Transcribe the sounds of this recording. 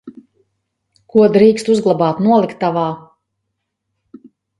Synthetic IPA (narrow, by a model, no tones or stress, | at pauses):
kuɔd̪ɾiːkst̪uzɡlˠabaːt̪nuɔlˠikt̪ːavaː